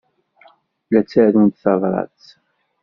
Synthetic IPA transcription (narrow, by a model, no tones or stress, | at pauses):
læt͡sːaðunt̪θɑðˤɾˤɑ̰t͡s